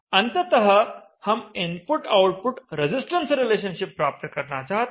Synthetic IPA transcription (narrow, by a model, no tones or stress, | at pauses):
ənt̪ət̪əɦə | həminpuʈawʈ̚puʈɾed͡zisʈənsɾileɕənɕipːɾap̚t̪əkəɾɳa̰t͡sat̪